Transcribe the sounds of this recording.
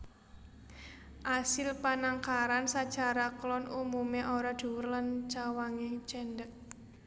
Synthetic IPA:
ʔasɪlpanaŋkaɾansat͡ʃaɾaklɔnumumeʔoɾad̪̥ṳwʊrlant͡ʃawaŋit͡ʃɛndək̚

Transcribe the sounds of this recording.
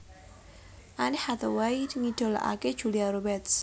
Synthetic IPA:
ʔaniħat̪awajid̪ŋid̪̥o̤la̰ʔa̰ked̥ʒ̥ṳliaɾobɛt̪s

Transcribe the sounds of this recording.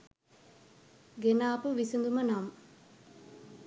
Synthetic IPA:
ɡenaːpəʋisund̪umənam

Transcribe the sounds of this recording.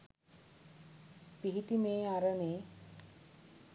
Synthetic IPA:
piɦit̪imeːaɾəneː

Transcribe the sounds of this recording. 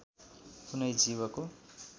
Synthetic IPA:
kunʌjd͡ziβʌko

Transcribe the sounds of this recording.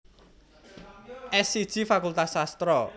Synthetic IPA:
ʔɛsid̥ʒ̥i̤fakult̪asast̪ɾɔ

